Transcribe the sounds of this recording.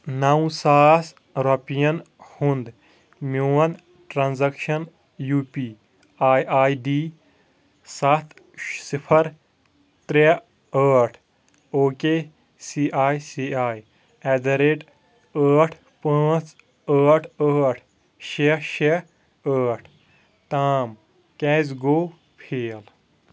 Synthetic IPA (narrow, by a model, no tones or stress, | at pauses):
nɐwsaːs | ɾɔpijɐn | hund̪ | muwɐn | ʈɾaːnzɐkʃɐn | juːpiː | aːjaːjɖiː | sɐt̪ | sipʰɐɾ | t̪ɾe | əːʈʰ | oːkeː | siːʔaːjsiaːj | ɛd̪ɐɾeʈ | əːʈʰ | pə̃ːt͡s | əːʈʰəːʈʰ | ʃeʃe | əːʈʰ | t̪aːm | kɛːzɡoː | pʰeːl